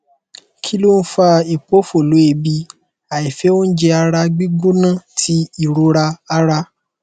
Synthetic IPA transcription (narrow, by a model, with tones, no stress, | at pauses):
kʰi˦lo˦n̩˦fa˧i˨k͡po˦fo˨lu˨˦e˧˨bi˧ | a˨i˨fe˦o˦n̩˦d͡ʒe˧a˧ɾa˧ɡ͡bi˦ɡo˦nã˦˨tʰi˨˦i˦˨ɾo˧ɾa˧a˧ɾa˧